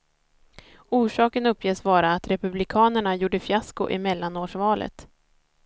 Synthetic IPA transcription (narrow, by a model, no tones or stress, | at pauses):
uːʂɑːkənɵpʰːjeːsvɑːɾaːt̪ɾɛpɵblɪkʰɑːnəɳajuːɖəfjaskʊ̰ʔɪmɛlːanoːʂvɑːlʔə̰t̪